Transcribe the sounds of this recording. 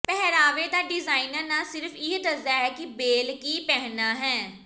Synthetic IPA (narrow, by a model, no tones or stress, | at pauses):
pɛɦɾaːʋeːd̪aːɖɪzaːinəɾnaːsɪɾfʰɪɦd̪əzaːɦɛːkɪbeːlkiːpɛːnaːɦɛ̃ː